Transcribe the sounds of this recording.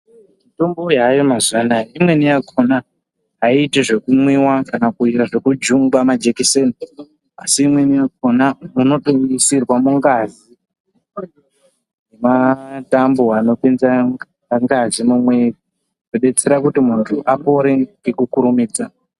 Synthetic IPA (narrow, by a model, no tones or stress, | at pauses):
mito̞mbo̞jajo̞mazuanajeimwe̞nijakʰona | ɦaitiʐe̞kumwiwakanakuijaʐe̞kud͡ʒuŋɡamad͡ʒekisen | asiːmwe̞nijakonauno̞toisirwamuŋɡazi | jematamboano̞penza | ŋɡazimumwe̞ | noɗe̞t͡se̞ɾakutimuntʰuʔapo̞ɾe̞ŋɡe̞kukuɾumiːd͡za